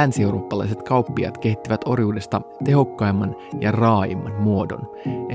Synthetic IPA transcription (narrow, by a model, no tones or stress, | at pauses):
ænsiewɾo̞ːpːɑlɑjs̬e̞t̪kɑupːiɑ̰t̪ke̞ht̪ːiʋæt̪o̞̰rjuːde̞st̪ɑt̪e̞ɦo̞kːɑemːɑnjɑrɑːjḭmːɑ̰nmuo̞do̰n